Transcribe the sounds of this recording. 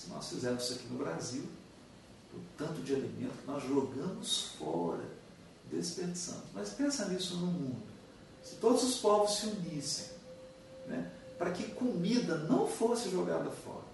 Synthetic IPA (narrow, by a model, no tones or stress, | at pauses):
sɪnɔ̰sfizɛmʊzzɐkinʊbɾaziw | ʊ̰̃t̪ɐ̃t̪ʊd͡ʒɪalemḛ̃nt̪ʊkɪnɔzʒoɡɐ̃mʊsfɔɾɐ̰ | d̪esɪ̥peɾd͡ʒɪ̥sɐ̰̃mʊsmɐspẽsɐ̃isʊnʊmũd̪ʊ | sɪ̥t̪od̪ʊzʊspɔvʊssɪunisḛ̃j̃ | nɛ̰pɾɐkɪkomid̪ɐnɐ̃w̃fosɪʒoɡa̰d̪ɐfɔ̰ɾɐ